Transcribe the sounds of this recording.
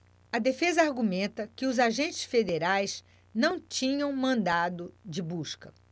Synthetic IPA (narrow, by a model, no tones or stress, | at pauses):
ɐd̪efezɐaɾɡumẽnt̪ɐkɪʊzaʒẽnt͡ʃɪ̥sfed̪eɾajs | nɐ̃w̃t͡ʃĩɲɐ̃w̃mɐ̃nd̪ad̪ʊd͡ʒɪbuskɐ̰